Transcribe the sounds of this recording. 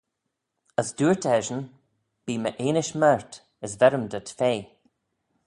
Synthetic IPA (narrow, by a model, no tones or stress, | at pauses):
əsduːɹt̪ɛʒən | b̥iːməʔeːnɪʃmɛɹt̪ | əsvɛɾəmd̪ətfeː